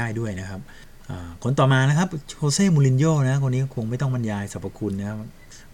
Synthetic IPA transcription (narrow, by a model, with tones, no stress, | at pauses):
aː˥˩jdu˥˩əjna˦˥kʰa˦˥p̚ | ʔaː˧˩kʰo˦nt̪ɔː˨˩maː˧na˦˥kʰa˦˥p̚ʰoː˧seː˥˩muː˧li˧njoː˥˩na˦˥kʰo˧niː˦˥kkʰo˧ŋma˥˩jt̪ɔ˥˩ŋba˧njaː˧jsa˨˦˩pa˧kʰu˧nːa˦˥a˦˥p̚